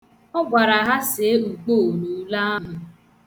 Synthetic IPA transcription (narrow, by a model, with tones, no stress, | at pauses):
ɔ˦ɡʷa˨ɾa˨ɦa˦se˨˦u˨k͡poː˦˨nu˨˦la˦mʊ˨